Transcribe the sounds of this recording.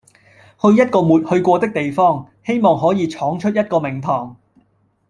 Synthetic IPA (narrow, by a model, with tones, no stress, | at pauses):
hɵ˧ɥjɐ˥t̚kɔː˧muː˨˩t̚hɵ˧ɥkʷɔː˧t̪ɪ˥k̚t̪e˨jfɔː˥ŋ | he˥jmɔː˨˩ŋɦɔː˨˥jiː˨˧t͡ʃʰɔː˨˥ŋt͡ʃʰɵ˥t̚jɐ˥t̚kɔː˧mɪ˨˩ŋt̪ʰɔː˨˩ŋ